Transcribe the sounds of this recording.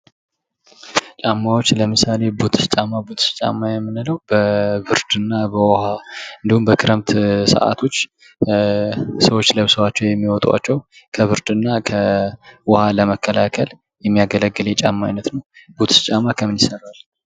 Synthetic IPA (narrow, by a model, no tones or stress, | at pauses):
t͡ʃʼamːawo̞t͡ʃːləmɨsale̞bot̪ʰɨ̥st͡ʃʼamːabot̪st͡ʃʼa̰mːajɛmːɨnɨləwbəβɨɾd̪ɨnːabəwɔhaɨnd̪ihumbəkʰɨɾəmt̪sə̰ʔa̰t̪ʰo̞t͡ʃː | səwo̞t͡ʃːləβsəwat͡ʃːɛwjɛmːiwɔt̪ʼwa̰t͡ʃːɛw | kʰəβɨɾd̪ɨnːakʰəwɔhaləməkːəlakʰəl | jɛmːijaɡələɡːɨlet͡ʃʼamːa̰jnət̪nəwbot̪ʰɨ̥st͡ʃʼamakʰəmːɨnisəɾal